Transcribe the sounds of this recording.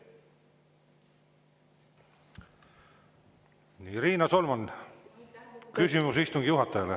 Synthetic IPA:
niɾiːnɑso̞lmɑn | kysimusist̪uŋɡ̥ijuɦɑt̪ːˑɑjɑle

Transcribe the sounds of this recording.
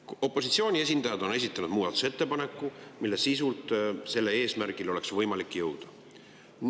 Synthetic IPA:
o̞pːˑo̞sit̪sioːnʲie̞s̬ʲind̪ɑjɑd̪̥o̞ne̞s̬it̪ːˑɑnud̪̥muːɑd̪u̥set̪ːe̞pɑne̞kːˑumilːesis̬ult̪ˑse̞lːeeːsmæɾɡ̥ilo̞le̞ksvɤjmɑlikːˑjɤwd̪̥ɑ̥

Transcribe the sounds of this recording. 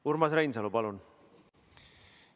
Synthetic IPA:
uɾmɑsɾajnsɑlupɑlun

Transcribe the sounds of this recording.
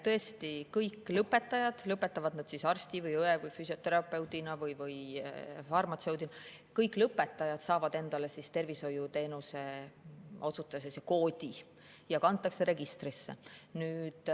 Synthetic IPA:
t̪ɤ̞e̞st̪ikɤjkːˑlɤpːˑe̞t̪ːˑɑjɑd̪̥lɤpːˑe̞t̪ːɑvɑd̪̥nɑd̪̥sisɑrst̪ivɯjɤevɯjfysʲio̞t̪e̞ɾɑpːˑe̞wd̪̥inɑvɯjvɯjfɑrmɑt̪se̞wd̪inɑ | kɤjkːˑlɤpːˑe̞t̪ːˑɑjɑd̪̥sɑːvɑd̪e̞nd̪̥ɑle̞sist̪e̞rviso̞jut̪e̞ːnuse̞ | o̞t̪sut̪ːˑɑseseko̞ːd̪̥ʲi | jɑkɑnt̪ːˑɑkse̞ɾe̞ɡist̪risːḛnyːd̪̥

